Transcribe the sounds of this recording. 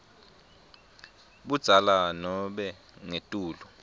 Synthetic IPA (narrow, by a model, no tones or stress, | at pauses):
ɓud̥z̥ʱalanɔɓɛ | ŋetʼuːlu